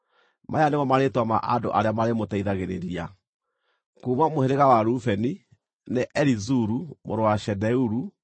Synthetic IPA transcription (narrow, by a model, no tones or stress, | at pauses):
mʔajanemɔmaɾetwama̰ʔado̰ʔaɾeamaɾemotɛiðaɣeɾeɾia | kuːmwamoheɾeɣawaɾufɛni | neʔɛɾizuɾumoɾowaʃɛdɛuɾu